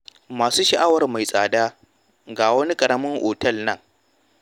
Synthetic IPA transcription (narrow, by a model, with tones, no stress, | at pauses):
maː˨suː˦ʃɐ˨ʔa˦wɐ˨rma˨jsʼaː˨daː˦ | ɡaː˨wɐ˦ni˦kʼɐ˨ɽɐ˦mʊ˦ŋʔoː˨tɐ˦˨lnɐ˦ŋ